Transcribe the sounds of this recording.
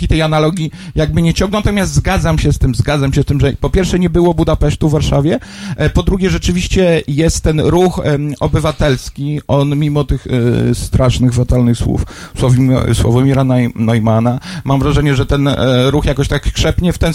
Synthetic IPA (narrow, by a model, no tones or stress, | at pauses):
it̪ɛjanalɔɡʲijaɡ̚bɘɲɛt͡ɕɔŋɡnɔ̃wnat̪ɔmʲast̪zɡad̪zamɕɛst̪ɘmzɡad̪zamɕɛst̪ɘmʐɛpɔpʲjɛɾfʂɛɲɛbɘwɔbud̪apɛʂt̪uvːaɾʂavʲjɛ | pɔd̪ɾuɡʲjɛʐɛt͡ʂɘvʲiɕt͡ɕɛjɛst̪ːɛnɾuxɔbɘvat̪ɛlskʲiɔnmʲimɔt̪ɘxst̪ɾaʂnɘɣvat̪alnɘxswṵfswɔvim̰swɔ̰vamʲiɾananɔjmanamamvɾaʐɛɲɛʐɛt̪ɛnɾuxjakɔɕt̪akkʂɛpɲɛft̪ɛn